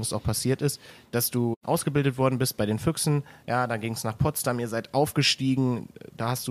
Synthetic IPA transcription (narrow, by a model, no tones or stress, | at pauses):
ŋsaʊxpʰasiːɐtɪstd̥asd̥uːʔa̰ʊsɡ̥əbɪldətv̥ɔɐdn̩bɪst̚b̥aɪɾdeːnfʏksn̩jaːdanɡɪŋsnaːχpʰɔtstamiːɐzaɪtʔaʊfɡ̥əʃtiːɡŋ̩daːhastd̥uː